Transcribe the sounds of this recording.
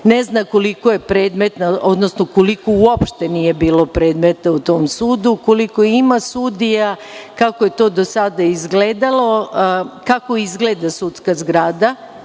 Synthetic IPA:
neznako̞likojepɾeːd̪met̪nao̞d̪nosnokolikouopʃt̪enije̞biːlo̞pɾe̞ːd̪me̞t̪aut̪o̞ːmsuːd̪ukoliko̞imasud̪ija | kakoje̞t̪o̞ːd̪o̞sad̪aizɡleːd̪alˠo̞kako̞izɡleːd̪asut̪skazɡɾaːd̪a

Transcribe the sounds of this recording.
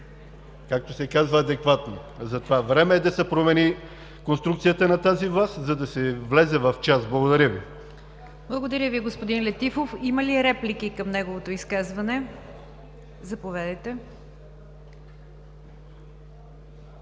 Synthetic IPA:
kak̚t̪osɛkazvɐːd̪ɛkvat̪no | zɐt̪ovavɾɛmɛːd̪ɐsɛpɾomɛni | konst̪ɾukt̪sijət̪ənɐt̪azivlˠast̪zɐd̪ɐsɛvlɛzɛvɐft͡ʃasblˠɐɡod̪ɐɾʲəvi | blˠɐɡod̪ɐɾʲjəviɡospod̪inlʲɛt̪ifofimɐliɛɾɛplikikɐmnɛɡovot̪oiskazvɐnɛ | zɐpovʲɛd̪əjt̪ɛ

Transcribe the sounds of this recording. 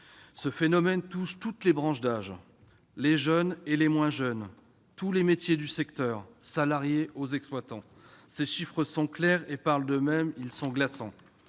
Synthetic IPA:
səfenɔmɛnt̪uʃt̪ut̪lebʁɑ̃ʃd̪aʒ | leʒœnelemwɛ̃ʒœn | t̪ulemet̪jed̪ysɛkt̪œːʁsalaʁjeozɛksplwat̪ɑ̃ | seʃifχəsɔ̃klɛʁepaʁld̪əmɛmilsɔ̃ɡlasɑ̃

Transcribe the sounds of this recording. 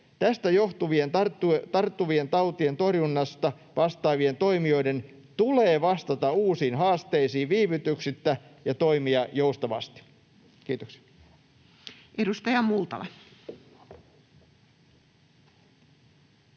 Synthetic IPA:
t̪æst̪æjoht̪uʋie̞nt̪ɑrt̪ːut̪ɑrt̪ːuʋie̞nt̪ɑwt̪ie̞nt̪o̞rjunːɑst̪ɑ | ʋʔɑst̪ɑːʋie̞nt̪o̞imio̞jde̞n | t̪uleːʋɑst̪ɑt̪ɑuːsiːnɦɑːst̪e̞isiːʋʋiːʋyt̪yksit̪ːæjɑt̪o̞imiɑjo̞ust̪ɑʋɑ̰st̪i̥ | kiːt̪oksi̥ɑ̥ | ʔedust̪ɑjɑmult̪ɑ̰lɑ̰

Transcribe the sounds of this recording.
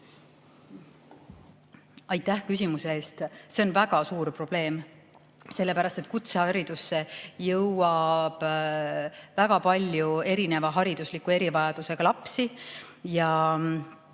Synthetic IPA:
ɑjt̪ːˑæhkys̬ʲimusee̞ːst̪se̞o̞nvæɡ̥ɑsuːɾpro̞b̥le̞ːm | se̞lːe̞pæɾɑst̪e̞t̪̚kut̪sehɑɾid̪̥usːe̞jɤwɑb̥ | væɡ̥ɑpɑlʲjue̞ɾine̞vɑɦɑɾid̪̥uslikːˑue̞ɾivɑjɑd̪̥use̞ɡ̥ɑlɑpsijɑ

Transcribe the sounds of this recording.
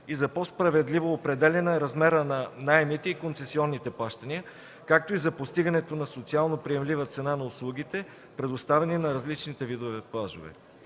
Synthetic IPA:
izɐpɔspɾɐvɛd̪livoːpɾɛd̪ɛlʲɛnɐɛɾɐzmɛɾənɐnajɛmit̪ɛikont̪sɛsiɔnːit̪ɛplˠaʃt̪ɐniə | kak̚t̪oizɐpost̪iɡɐnɛt̪onɐsot̪sialˠnopɾiɛmlivət̪sɛnanɐʊslˠuɡ̟it̪ɛ | pɾɛd̪ost̪avɛninɐɾɐzlit͡ʃnit̪ɛvid̪ovɛplˠaʒo̰vɛ̰

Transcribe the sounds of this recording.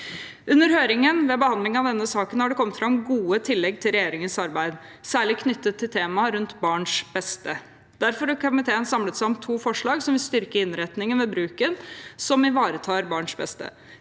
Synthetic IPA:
ʔʉnːəɾhøːɾɪŋənʋɛbəhɑnd̪lɪŋɑʋd̪ɛnːəsɑːkənhɑɖɛkʰɔmt̪fɾɑmɡuːət̪ʰɪlːɛɡ̚t̪ʰɪlɾɛjeːɾɪŋənsɑɾbæɪd̪sæːɭɪkʰnʏt̪ːət̪ʰːɪlt̪ʰeːmɑɾʉnt̪bɑːɳʂb̥ɛst̪ə | d̪æɾfɔɾɔkʰɑmɪt̪ʰeːənsɑmlət̪sæɪɔmt̪ʰuːfɔʂɭɑːɡsɔmʋɪlst̪ʏɾkəɪnɾɛt̪nɪŋənʋɛbɾʉːkənsɔmɪʋɑːɾət̪ʰɑːɾbɑːɳʂbɛ̰st̪ə̰

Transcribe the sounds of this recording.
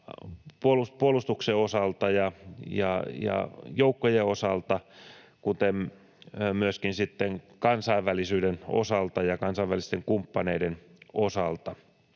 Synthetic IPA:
puoluspuolust̪ukseosɑlt̪ɑjɑjɑ̰jɑ̰joukːojeosɑlt̪ɑ | kut̪em | myøskinsit̪ːeŋkɑnsɑiʋːælisyːdeno̰sɑlt̪ɑjɑkɑnsɑʋælist̪eŋkumpːɑneidenosɑlt̪ɑ

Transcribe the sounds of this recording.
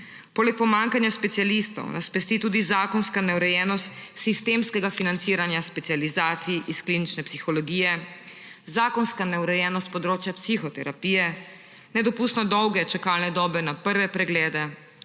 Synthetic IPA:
pɔːlɛk̚pɔmaŋkanjaspɛt̪sijalist̪ɔ̰wnʔaspɛst̪it̪uːd̪izaːkɔnskanɛwɾɛjɛːnɔst̪sist̪eːmskɛɡafinant̪siːɾanjaspɛt̪sijalizaːt̪siʔiskliːnit͡ʃnɛpsixɔlɔɡiːjɛ | zaːkɔnskanɛuɾɛjɛːnɔst̪̚pɔd̪ɾoːt͡ʃjapsixɔt̪ɛɾapijɛ | nɛd̪ɔpuːst̪nɔd̪ɔwɡɛt͡ʃakalnɛd̪ɔːbɛnapəɾʋɛpɾɛɡlɛːd̪ɛ

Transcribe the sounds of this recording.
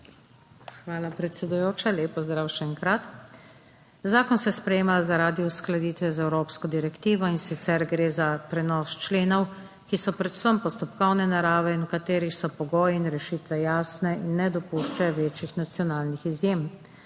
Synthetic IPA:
xʋaːlapɾɛt̪sɛd̪ujoːt͡ʃaleːpɔzd̪ɾaːwʃɛŋkɾat̪ | zaːkɔnsɛspɾɛjeːmazaɾaːd̪iusklad̪iːt̪ʋɛzaɛwɾopskɔd̪iɾɛkt̪iːʋɔinsit̪sɛɾɡɾeːzapɾɛnɔst͡ʃleːnɔw | kisɔpɾɛd̪u̥səmpɔst̪ɔpkɔwnɛnaɾaːʋɛinɔkat̪eːɾixsɔpɔɡɔːjɛinɾɛʃiːt̪ʋɛjaːsnɛʔinːɛd̪ɔpuʃt͡ʃɛʋeːt͡ʃixnat̪sjɔnaːlnixizjem

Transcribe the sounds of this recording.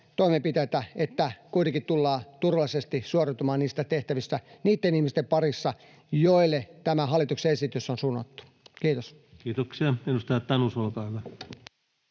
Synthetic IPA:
t̪oimempit̪ejt̪æet̪ːækuit̪ekit̪t̪ulːɑːt̪urʋɑlˑisest̪isuorɑt̪umɑːnniːst̪æt̪eht̪æʋist̪æniːt̪ːenihmist̪empɑrisːɑ | joilːet̪æmæhɑlːˑit̪ukseesit̪ysːonsunːo̰t̪ːu̥ | kiːt̪os | kiːt̪oksiɑenust̪ɑjɑt̪ːɑnusolkɑːhyʋæ

